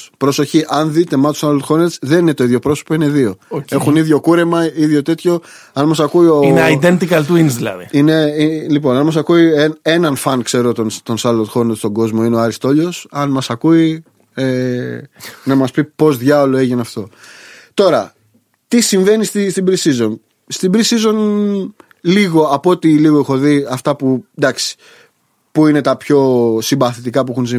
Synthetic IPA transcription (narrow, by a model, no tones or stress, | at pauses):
pɾo̞so̞çiʔɐnðit̪e̞mɐt̪u̥sɐlot̪xo̞net̪sðeninet̪o̞iðʝo̞pɾo̞so̥po̞ine̞ðio̞e̞xuniðʝo̞kuɾe̞mɐiðʝo̞t̪e̞t̪ço̞ | ɐnmɐsɐkuioneaid̪ent̪ikɐlt̪uinzðilɐ̰ðiine̞ilipo̞nɐnmɐsɐkuiene̞nɐnfɐnkse̞ɾot̪ont̪onsɐlot̪xo̞net̪st̪o̞ɡo̞zmo̞ineoɐɾist̪o̞ʎo̞sɐnmɐsɐkui | e | nɐmɐspipo̞zðʝɐolo̞eʝinɐft̪o̞t̪o̞ɾɐ | t̪isiɱve̞nist̪ist̪ibɾisizo̞n | st̪ibɾisizo̞n | liɣo̞ɐpo̞t̪iliɣoexo̞ðiɐft̪ɐpud̪ɐksi̥ | puine̞t̪ɐpço̞simbɐθit̪ikɐp̬uexunsi